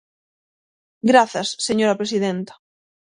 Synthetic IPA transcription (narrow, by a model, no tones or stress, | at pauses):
ɡɾaθɐsːeɲoɾapɾesiðent̪ḁ